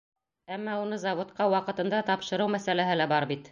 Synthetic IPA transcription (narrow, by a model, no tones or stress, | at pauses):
æmːɑunɤzɑvŏt̪̚qɑwɑqɤ̆t̪ɤ̆nd̪ɑt̪ɑpʃɤ̆ɾɤwmæsælæɦɘlæbɑɾbit̪